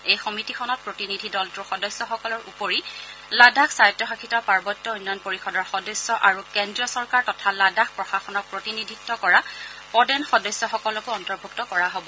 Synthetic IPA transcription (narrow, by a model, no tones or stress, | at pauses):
ejxɔmitixʰɔnɔt̚pɹotinidʱidɔltʊxɔdɔsːɔxɔkɔlɔɹṵpoɹiladʱaksajtːɔxakʰitɔpaɹbɔtːɔujnːɔjɔnpoɹixɔdɔɹxɔdɔsːɔʔaɹukɛndɹiɔsɔɹkaɹtɔtʰaladʱaxpɹɔxaxɔnɔk̚pɹotinidʱitːɔkɔɹapɔdɛnxɔdɔsːɔxɔkɔlɔkʊɔntɔɹbʱuktɔkɔɹaɦobɔ